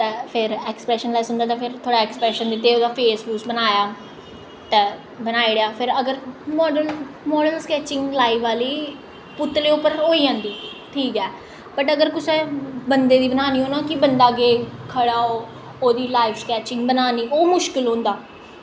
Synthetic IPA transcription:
t̪ɛːpʰɪɾɛːksə̥pɾɛːʃənlaːisʊnd̪aːt̪aːpʰɪɾt̪ʰoːɽaːɛːkspɾɛːʃənd̪ɪt̪ːeːoːd̪aːpʰeːsbuːsbənaːjaː | t̪ɛː | bənaːiːɽjaːpʰɪɾəɡəɾmɔːɖəl | mɔːɖəlskɛːt͡ʃɪ̃ŋɡlaːiːʋaːliː | pʊt̪ːleːʊpːəɾɦoːiːd͡ʒãːnd̪iː | ʈʰiːkɛː | bəʈəɡəɾkʊsɛ̃ːbənd̪eːd̪iːbənaːniːɦoːnãːkɪbənd̪aːɡeːkʰəɽaːoː | oːd̪iːlaːɪʋskɛːt͡ʃɪ̃ŋɡbənaːniːʔoːmʊʃkɪlɦõːnd̪aː

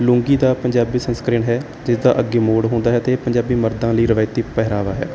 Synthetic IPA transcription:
lʊ̃ːŋɡiːd̪aːpəɲd͡ʒaːbiːsənskɾɪːɳɦɛː | d͡ʒɪsd̪a̰ːʔəɡeːmoːɽɦõːnd̪aːɦɛːt̪eːpəɲd͡ʒaːbiːməɾd̪ãːləiːɾɪʋaːɪt̪iːpɛɦɾaːʋaːɦɛ̰ː

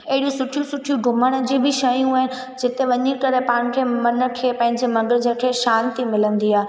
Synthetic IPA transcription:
ɐɦɪɽijũsʊʈʰijũsʊʈʰijũɡʱʊməɽ̃̆d͡ʑiːbʱɪʃɐjũaːɦɪnɪ̆ | d͡ʑɪt̪eʋɐɲikɐɾepaːɽ̃kʰeːmɐnəkʰeːpɐ̃ɦɪ̃ɲd͡ʑemɐɡəɾd͡ʑeːkʰeːʃaːnt̪imɪlə̃nd̪iaːe

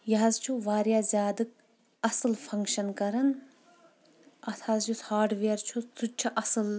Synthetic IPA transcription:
jɐɦɐzt͡ʃʰuʋaːɾjaːzʲjaːd̪ɨk̚ | ɐsɨlfʰɐŋkʃɐnkɐɾɐn | ɐt̪ʰaːzjushaːɾɖʋeːɾt͡ʃʰut͡sʰut͡ʃʰɐʔɐsɨl

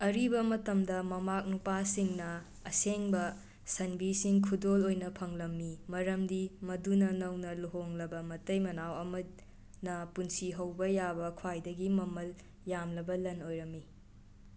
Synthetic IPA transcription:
ɐɾibɐmɐtɐmdɐmɐmak̚nupasiŋnɐ | ɐseŋbɐ | sɐnbisiŋkʰudolojnɐpʰɐŋlɐmːimɐɾɐmdimɐdunɐnɐwnɐluɦoŋlɐbɐmɐtɐjmɐnawɐmɐ | nɐpunsiɦɐwbɐjabɐkʰwajdɐɡimɐmɐl | jamlɐbɐlɐnojɾɐmːi

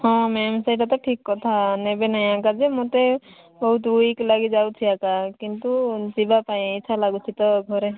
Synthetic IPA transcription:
ɦɔ̃mɛmsajʈat̪ɔʈʰikːɔt̪ʰanɛbenajãkad͡ʒɛmɔt̪e | bɔɦut̪ɾuiklaɡid͡ʒawt̪ʰiakakint̪usibapajt͡ʃʰalaɡut̪ʰit̪ɔɡʱɔɾɛ

